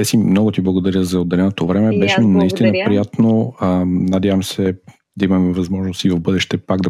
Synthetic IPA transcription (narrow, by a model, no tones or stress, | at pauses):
ɛsimnɔɡʊt̪iblˠɐɡod̪ɐɾʲjəzɐod̪ːɛlɛnot̪ovɾɛmɛbɛʃɛnɐist̪inəpɾijat̪no | nɐd̪ʲjavəmsɛ | d̪ɐimɐmɛvɐzmɔʒnost̪ivɐvbɤd̪ɛʃt̪ɛpaɡd̪ɐ